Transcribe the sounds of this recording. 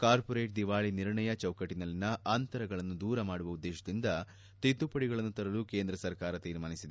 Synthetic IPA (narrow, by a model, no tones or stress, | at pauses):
kaːɾpɔɾe̞ːʈ̚d̪iʋaːɭiniɾɳɐjɐt͡ʃɐwkɐʈːinɐlːinːɐʔant̪ɐɾɐɡɐɭɐnːud̪uːɾɐmaːɽuʋɐud̪ːeːʃɐd̪ind̪ɐ | t̪it̪ːupɐɽiɡɐɭɐnːut̪ɐɾɐluke̞ːnd̪ɾɐsɐɾkaːɾɐt̪iːɾmaːnisid̪e